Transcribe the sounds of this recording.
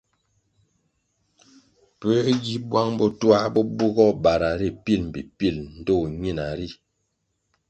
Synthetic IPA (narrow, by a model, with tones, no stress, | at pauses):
pə˦ɡi˦bwa˦ŋbɔ˦twa˦bɔ˦bu˦ɡɔ˦˨ba˨ɾa˨ɾi˦pi˦˨lm̩˨bi˨pi˦˨ln̩˨do˦˨ɲi˦˨na˨ɾi˦˨